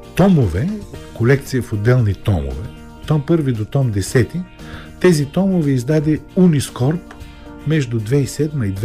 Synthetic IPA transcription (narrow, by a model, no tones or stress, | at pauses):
t̪ɔmovɛkolɛk̚t̪sijəfod̪ːɛlˠnit̪ɔmo̰vɛ | t̪ɔmpɤɾvid̪ot̪ɔmd̪ɛsɛt̪i | t̪ɛzit̪ɔmovɛizd̪ad̪ɛuniskɔɾp | mɛʒd̪ʊd̪vɛisɛd̪mɐid̪